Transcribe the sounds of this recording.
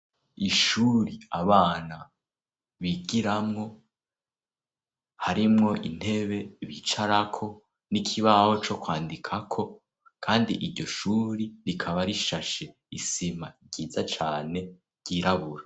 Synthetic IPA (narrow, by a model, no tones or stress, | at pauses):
iʃuːɾiaβaːna | βiɡiɾamŋo̞ | haɾimŋo̞ʔin̥he̞βe̞βit͡ʃaɾakʰo̞ | nikʰiβaho̞t͡ʃo̞kwaːndikʰakʰo̞ | kʰaːndḭʔiɾɟo̞ʃuːɾiɾikʰaβaɾiʃaʃe̞ | isimaɾɟiːzat͡ʃaːne̞ | ɾɟ̥iɾaβuɾa